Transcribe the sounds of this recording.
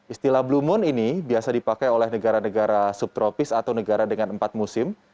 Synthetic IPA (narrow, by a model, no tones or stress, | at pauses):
ist̪ilahblumʊninibiasadipakajolɛhnəɡaɾanəɡaɾasup̚t̪ɾopɪsat̪awnəɡaɾadəŋanəmpat̪̚musɪm